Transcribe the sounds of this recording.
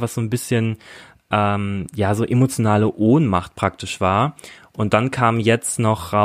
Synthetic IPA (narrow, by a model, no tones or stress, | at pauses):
vasz̥oːnbɪsçən | ʔɛːmjaːzoːʔemot͡sjonaːləʔoːnmaχt̚pʁ̥ak̚tɪʃv̥aːɐʔʊntd̥ankʰaːmjɛt͡stnɔχʁa